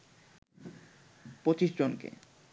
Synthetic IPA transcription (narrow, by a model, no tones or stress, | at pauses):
pot͡ɕiʃd͡ʑonkḛ